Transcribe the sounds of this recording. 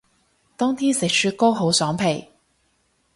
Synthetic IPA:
t̪ɔː˥ŋt̪ʰiː˥sɪ˨k̚syː˧t̚koː˥ɦo˨˥wsɔː˨˥ŋpʰe˨˩j

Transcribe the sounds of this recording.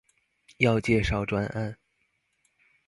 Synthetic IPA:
jɑ˥˧ʊt͡ɕjɛ˥˧ʂɑ˥˩ʊʈ͡ʂwa˥na˥˩n

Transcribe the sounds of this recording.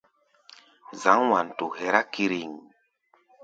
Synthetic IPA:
za˨˦ŋwa˨n˨tu˨hɛ˨ɾa˦ki˧ɾi˨ŋ

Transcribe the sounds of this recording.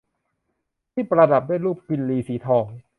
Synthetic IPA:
t̪ʰiː˥˩pɾa˧da˨˩p̚daː˥˩˨jluː˥˩p̚ki˧nliː˧siː˩˦t̪ʰɔː˧ŋ

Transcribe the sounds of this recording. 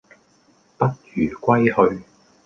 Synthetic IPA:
pɐ˥t̚jyː˨˩kʷɐ˥jhɵ˧ɥ

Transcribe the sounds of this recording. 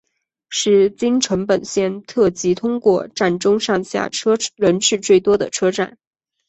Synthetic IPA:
ʂɻ̩˥˩t͡ɕi˥ŋʈ͡ʂʰɤ˧˥ŋpə˨˩nɕjɛ˥˧nt̪ʰɤ˥˩t͡ɕi˧˥t̪ʰʊ˥ŋkwɔ˥˧ʈ͡ʂa˥˩nʈ͡ʂʊ˥ŋʂɑ˥˧ŋɕja̰˥˩ʈ͡ʂʰɤ˥ɻə˧˥nʈ͡ʂʰɻ̩˥˧t͡swe˥˩ɪt̪wɔ˥d̪ə˨ʈ͡ʂʰɤ˥ʈ͡ʂa˥˩n

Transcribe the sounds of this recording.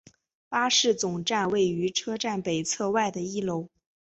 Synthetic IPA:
pa˥ʂɻ̩˥˩t͡sʊ˨˩ŋʈ͡ʂa˥˧nwe˥˩ɪy˧˥ʈ͡ʂʰɤ˥ʈ͡ʂa˥˩npe˨˩ɪt͡sʰɤ˥˧wa˥˩ɪd̪ə˩i˥˩lo˧˥ʊ

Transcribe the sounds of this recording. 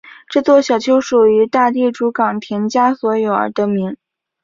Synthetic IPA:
ʈ͡ʂɤ˥˧t͡swɔ˥˩ɕjɑ˨˩ʊt͡ɕʰo˧˥ʊʂu˨˩y˧˥t̪a˥˧t̪̬i˥˩ʈ͡ʂu˧˥kɑ˨˩ŋt̪ʰjɛ˧˥nt͡ɕja˥swɔ˧˥jo˨˩ʊə̰˧˥d̪ə˧mi˧˥ŋ

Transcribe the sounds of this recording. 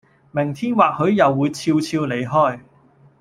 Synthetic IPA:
mɪ˨˩ŋt̪ʰiː˥nwaː˨k̚hɵ˨˥ɥjɐ˨wːuː˨˧jt͡sʰiː˧wt͡sʰiː˧wle˨˧jɦɔː˥˩j

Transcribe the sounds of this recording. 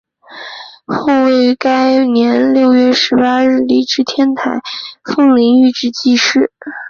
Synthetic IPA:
xo˥˩ʊwe˥˩ɪ˧ka˥ɪnjɛ˧˥nljo˥˧ʊjɥɛ˥˩ʂɻ̩˧˥pa˥ɻɻ̩˥˩li˥˩ʈ͡ʂɻ̩˥t̪ʰjɛ˥nt̪ʰa̰˨˧˩ɪfɤ˥˧ŋli˧˥ŋy˥˧ʈ͡ʂɻ̩˥˩t͡ɕi˥˧ʂɻ̩˥˩

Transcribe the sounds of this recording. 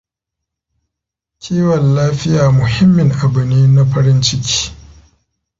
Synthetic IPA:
kʲʰiː˦wɐ˨nlaː˦ɸɪ˦jaː˨mʊ˨hɪ˦mːɪ˨ŋʔa˨bɪ˨niː˦na˦ɸɐ˦ɾɪ˦nt͡ʃɪ˦kʲi̥ː˦

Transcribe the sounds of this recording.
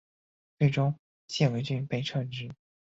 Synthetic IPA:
t͡swe˥˩ɪʈ͡ʂʊ˥ŋ | ɕjɛ˥˩we˧˥ɪt͡ɕy˥˧˩npe˥˩ɪʈ͡ʂʰɤ˥˧ŋʈ͡ʂɻ̩˥˩

